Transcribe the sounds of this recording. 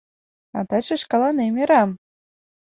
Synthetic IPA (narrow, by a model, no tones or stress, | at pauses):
ɑ̰t̪ɑt͡ʃeʃkɑlˠɑnemʲeɾɑm